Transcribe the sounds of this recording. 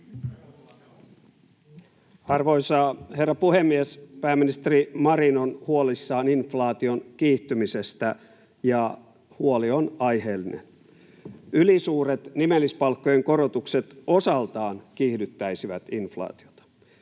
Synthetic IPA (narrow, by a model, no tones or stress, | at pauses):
ɑrʋojsɑːhe̞rːɑpuhemːiespæːmːinist̪erimɑɾinonhuolisːɑːninflɑːt̪ionkiːht̪ːymisest̪æ | jɑ | huolionɑjheːlːinḛn | ylisuːɾet̪nimelːispɑlkːojeŋkorot̪ukset̪osɑlt̪ɑːnkihdyt̪ːæjsiʋæt̪inflɑ̰ːt̪io̞t̪ɑ̥